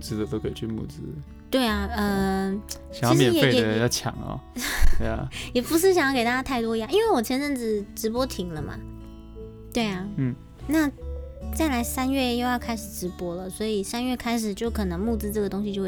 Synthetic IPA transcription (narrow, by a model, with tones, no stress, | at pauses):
t͡sɹ̩˥d̪ə˨t̪o˥ʊkʰe˨˩t͡ɕʰy˥˩mṵ˥˩t͡sɹ̩˥ | t̪we˥˩ɪa˩ə˧ | ɕɑ˨jjɑ˥mjɛ˨˩jɛ˨e˥˩ɪɛ˨ə˩jɑ˥˩ʊt͡ɕʰjɑ̰˨˩˦ŋɐ̰˧˥˧ | a̰˨˩jɛ˨˩pu˧˥ʂ̬ɻ̩˥˩ɕ̬ɑ˨˩ŋjɑ˥˩ke˨˩ɪt̪a˥t͡ɕja˥t̪ʰa˥˩ɪt̪wɔ˥i˧jɑ˥˩˧i˥nwe˥˩ɪwɔ˨˩t͡ɕʰjɛ˥nʈ͡ʂə˥˩nʈ͡ʂɻ̩˥˩ʈ͡ʂɻ̩˧˥p̬wɔ˥t̪ʰi˧˥ŋlə˧mɐ̰˨˩ | t̪we˥˩ɪa˩n̩˥˩ | na˥˩t͡sa˥˩ɪla˧˥ɪsa˥nɥɛ˥˩jo˥˧ʊjɑ˥˧ʊkʰa˥ɪʂɻ̩˨˩ʈ͡ʂɻ̩˧˥pwɔ˥lə˨swɔ˧˥i˨˩sa˥nɥɛ˥˩kʰa˥ɪʂ̬ɻ̩˨˩t͡ɕjo˥˩ʊkʰɤ˨˩nɤ˧˥ŋmu˥˧˩t͡sɹ̩˥ʈ͡ʂɤ˥˩ɡə˩t̪o˥ŋɕi˨t͡ɕjo˥˧x